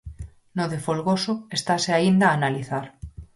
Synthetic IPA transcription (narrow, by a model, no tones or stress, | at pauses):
noðefolɣosoest̪aseaind̪aːnaliθaɾ